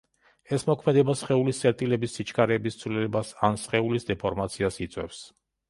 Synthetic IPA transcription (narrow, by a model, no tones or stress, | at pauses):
ɛsmɔkʰmɛd̪ɛbasχɛulisʼɛɾt̪ʼilɛbisːit͡ʃʰkʰaɾɛːbist̪sʰvlilɛbasansχɛulisd̪ɛpʰɔɾmat̪sʰiasit̪sʼwɛfs